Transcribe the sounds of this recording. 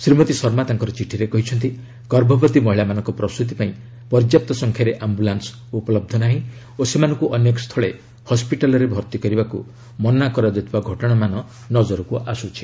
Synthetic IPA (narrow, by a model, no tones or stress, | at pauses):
sɾimɔt̪isɔɾmat̪aŋkɔɾɔt͡ʃiʈʰiɾekɔɦit͡ʃʰɔnt̪i | ɡ̥ɔɾbʱɔbɔt̪imɔɦiɭamanɔŋkɔpɾɔst̪ut̪̬ipaĩ | pɔɾd͡ʒjap̚t̪ɔsɔŋkʰjaɾeʔambulans | upɔlɔb̚d̪ʱɔnaɦĩ | osemanɔŋkuʔɔnjekɔst̪ʰɔɭe | hɔspiʈalɔɾebʱɔɾt̪ikɔɾibaku | mɔnakɔɾad͡ʒɔt̪ʰibaɡʱɔʈɔɽ̃amanɔ | nɔd͡ʒɔɾɔkuʔasut͡ʃʰi̥